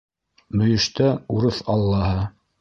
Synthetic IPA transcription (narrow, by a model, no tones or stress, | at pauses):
mɵ̆jɘ̆ʃt̪æuɾɤθɑlˠːɑɦɤ